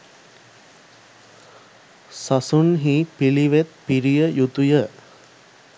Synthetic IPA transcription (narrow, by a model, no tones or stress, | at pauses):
sasunɦiːpiliʋet̪̚piɾijəjut̪ujə